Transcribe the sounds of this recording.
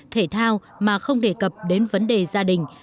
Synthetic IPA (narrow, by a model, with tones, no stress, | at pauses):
t̪ʰe˧˩t̪ʰaː˧w | maː˨˩xə˧wŋ͡mɗe˧˩kə˨˩p̚ɗe˨˦nvə˨˦nɗe˨˩zaː˧ɗï˨˩ŋ̟